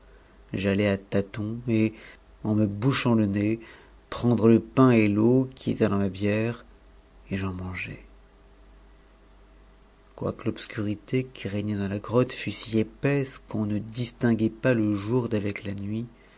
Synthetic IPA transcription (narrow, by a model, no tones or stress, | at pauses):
ʒalɛat̪at̪ɔ̃e | ɑ̃məbuʃɑ̃ləne | pχɑ̃d̪ʁələpɛ̃elokʲiḛt̪ɛd̪ɑ̃mabjɛʁ | eʒɑ̃mɑ̃ʒɛ̰ | kwa̰kəlɔpskʲyʁit̪ekʲʰiʁɛɲɛd̪ɑ̃laɡʁɔt̪fysiepɛskɔ̃nəd̪ist̪ɛ̃ɡʲɛpaləʒuʁd̪avɛklanɥi